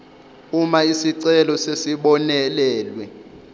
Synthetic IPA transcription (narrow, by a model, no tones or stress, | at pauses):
umaisiǀɛlɔsesiɓɔnɛlɛːlwɛ